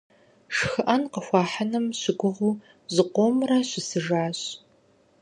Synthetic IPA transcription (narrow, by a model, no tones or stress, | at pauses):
ʂxɨʔɐnqəxʷɑːħanɨmɕɪɡʷʊʁuː | zɨqʷomrɐɕɪsɨʒaːɕ